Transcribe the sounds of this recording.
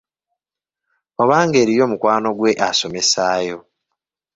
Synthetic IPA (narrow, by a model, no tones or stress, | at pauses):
oβaːŋɡe̞ːɾijo̞ːmukwaːno̞ɡwe̞ʔaso̞me̞saːjo̞